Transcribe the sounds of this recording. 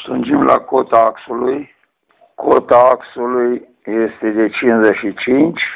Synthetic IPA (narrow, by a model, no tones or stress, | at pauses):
sund͡ʒimlʔa̰ko̞t̪aaksuluj | kʰot̪aaksuluj | je̞st̪e̞d̪e̞t͡ʃinzeʃit͡ʃint͡ʃʲ